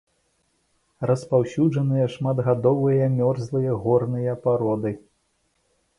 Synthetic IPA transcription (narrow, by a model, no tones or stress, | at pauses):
rɐspawsʲuʐɐnɨjɐʂmad̪ɣad̪ɔvɨjɐmʲɔrzlˠɨjɐɣɔrnɨjɐpaɾɔd̪ɨ